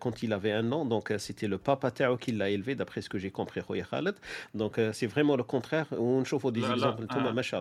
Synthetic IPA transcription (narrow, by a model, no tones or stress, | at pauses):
kɑ̃t̪ilavɛɛ̃nɑ̃d̪ɔ̃kset̪ʰɛləpapat̪aʕokʰilːaelved̪apχɛsə̥kəʒekɔ̃pχiʁɔjaxa̰ləd̪d̪ɔ̃ksɛvʁɛmɑ̃ləkɔ̃t̪χɛʁ̃nʃofod̪ezɛɡzɑ̃plt̪ɔmamaʃal